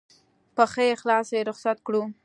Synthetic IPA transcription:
pəxəjexlɑsjeɾʊxsat̪kɽu

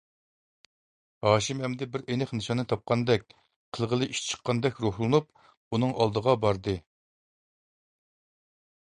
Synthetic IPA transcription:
hɑːʃimhɛmd̪ɪbɪɾenɛχnɨʃɑnːɨt̪ʰɑp̚qɑnd̪ɛk̚ʲ | qʰəlˠʁəlˠɨʔiʃt͡ʃʰə̥qʰːɑnd̪ɛkʲɾohlˠɨnup̚ | unɨŋʔɑlˠd̪əʁɑbɑɾd̪ɨ

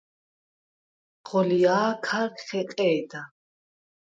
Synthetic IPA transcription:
ʁ̥ɔliaːkʰaɾkχɛqʼɛːd̪a

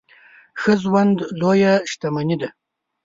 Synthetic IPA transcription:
xəzwand̪lojaʃt̪amanid̪a

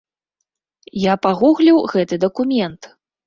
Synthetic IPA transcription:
japaɣuɣlʲiwɣɛt̪ɨd̪ɐkumʲɛnt̪

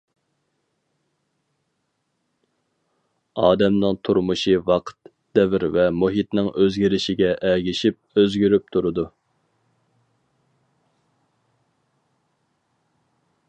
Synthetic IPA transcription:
ɑːd̪ɛmnɨŋt̪ʰuɾmuʃivɑqʰt̪ | d̪̥ɛvɪɾvɛmuɦit̪nɪŋøzɡʲiɾɪʃɪɡʲɛʔɛɡʲiʃip̚øzɡʲyɾyp̚t̪ʰuɾɨd̪u

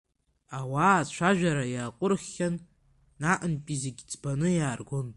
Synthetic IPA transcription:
awaːt͡ʃʷʰaʒᶣaɾajaːqʷʼʊrχʲːanː | aʔənpʼiziɡʲd͡zbanɨjaːrɡʷon

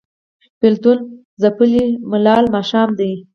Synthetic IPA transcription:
pɪlt̪un | zapəlimʊlɑlmɑʃɑmd̪aj

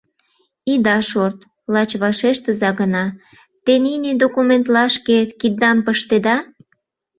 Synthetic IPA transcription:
id̪ɑʃort̪ | lɑt͡ɕβɑʃeʃt̪əzɑɣənɑ | t̪enined̪okument̪lɑʃket̪kid̪̚ːɑmpəʃt̪ed̪ɑ

